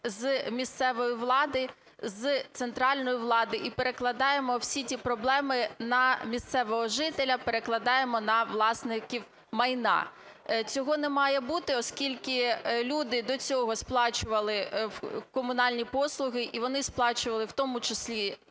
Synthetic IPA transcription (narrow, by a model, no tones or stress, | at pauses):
zmʲist̪sɛʋɔjiʋlˠɑd̪ɪ | zt̪sent̪ɾɑlʲnɔjiʋlˠɑd̪ɪʔipeɾeklˠɐd̪ɑjemɔwsʲitʲipɾɔblˠɛmɪnɐmʲist̪sɛʋɔɦɔʒɪt̪elʲɐpeɾeklˠɐd̪ɑjemɔnɐʋlˠɑsnɪkʲiw | mɐjnɑ̰ | t͡sʲɔɦɔnɛmɑjɛbut̪ɪɔskʲilʲkɪlʲud̪ɪd̪ɔt͡sʲɔɦɔsplˠɑt͡ʃʊʋɐlˠɪ | kɔmʊnɑlʲnʲipɔslˠʊɦɪʔiʋɔnɪsplˠɑt͡ʃʊʋɐlˠɪwt̪ɔmʊt͡ʃɪsʲlʲi